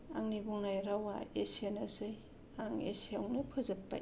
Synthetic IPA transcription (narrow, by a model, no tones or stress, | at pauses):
a̰ŋnibuŋnajɾawa̰esenasɯj | aŋḛsiawnɯpʰɯzɐpːa̰